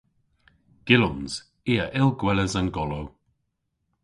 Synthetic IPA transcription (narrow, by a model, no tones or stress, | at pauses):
ɡ̥ɪlʊnz̥ | iːəʔɪlˠɡwɛləzənɡɔlow